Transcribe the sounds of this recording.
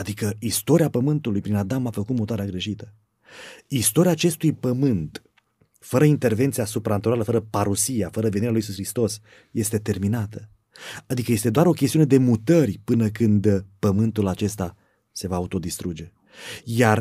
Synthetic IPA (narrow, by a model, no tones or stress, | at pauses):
ad̪ikəist̪o̞ɾiapəmɨnt̪ulujpɾinad̪amafəkut̪mut̪oaɾeaɡɾe̞ʃit̪ə | ist̪o̞ɾiaːt͡ʃe̞st̪ujpəmɨnt̪ | fəɾəint̪e̞rve̞nt̪sijasupɾant̪oɾaləfəɾəpaɾusiafəɾəve̞niɾalujisusxɾist̪o̞s | je̞st̪e̞t̪e̞rminat̪ə | ad̪ikəje̞st̪ed̪oaɾo̞kʲest̪iune̞d̪e̞mut̪ərʲpɨnəkɨnd̪pəmɨnt̪ulat͡ʃe̞st̪a | se̞vaut̪o̞d̪ist̪ɾud͡ʒe̞ | jar